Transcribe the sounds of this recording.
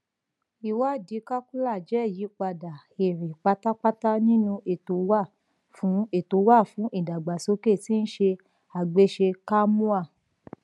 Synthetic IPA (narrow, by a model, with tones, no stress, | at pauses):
i˨wa˦˨di˨˦ka˦ku˦la˦˨d͡ʒɛ˨˦˨ji˨˦k͡pa˧da˨ | e˨ɾe˨k͡pa˧ta˦k͡pa˦ta˦nĩ˦nũ˧ʔe˨to˨˦wa˦˨ | fũ˨˦e˦˨to˨˦wa˦˨fũ˨˦ʔi˦˨da˨ɡ͡ba˨so˨˦ke˦˨ti˦n̩˦ʃe˧ | a˨ɡ͡be˦ʃe˧ka˦mũ˦a˦˨